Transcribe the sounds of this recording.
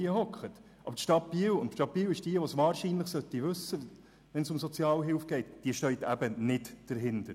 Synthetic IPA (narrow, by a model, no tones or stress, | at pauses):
iəhɔkχət | ʔɑ̰bəɾtʃtɑt̚piːəwʊntʃtɑt̚piːwɪʃd̥iəʋosʋɑːɾʃiːnləχsœt̪ːiʋɵsːə | ʋɛnsʊmsɔt͡sjɑːlɦɪlfɡ̥ɛɪtd̥iəʃtœʏt̪æbənɪtd̥əɾɦɪnd̥əɾ